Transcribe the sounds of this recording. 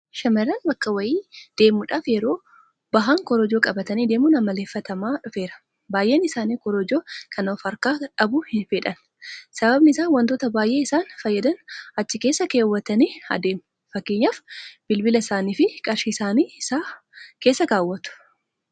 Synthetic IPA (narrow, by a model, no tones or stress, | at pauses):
ʃɐmɐɾɐnbɐkːɐwɐjiːd̪̥e̞ːmʊᶑaːfjɛɾo̞ː | bɐɦaŋkɔɾɔd͡ʒoːkʼɐbɐt̪ɐniːd̪e̞ːmʊnɐmɐle̞ːfːɐt̪ɐmaːᶑʊfe̞ːɾɐ̥ | baːjʔeːnɪsaːniːkɔɾɔd͡ʒoːkʰɐnɐfɐɾkaːᶑɐbʊhɪfɛᶑɐn | sɐbɐbnɪɪsaːnwɐnt̪oːt̪ɐbaːjʔe̞ːɪsaːnfɐjːɐd̪ɐnɐt͡ʃːɪkeːsːɐkeːwːɐt̪ɐniːɐ̰d̪eːmʊ | fɐkːeːɲːaːfb̥ɪlbɪlɐɪsaːniːfɪkʼɐɾʃiːsaːniːsaː | ke̞ːsːɐɡaːwːɐt̪ʊ̥